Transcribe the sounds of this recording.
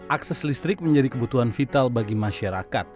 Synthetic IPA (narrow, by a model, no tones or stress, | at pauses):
ʔaksɛslist̪ɾɪk̚məɲd͡ʒadikəbut̪uɦanfit̪albaɡimaʃaɾakat̪̚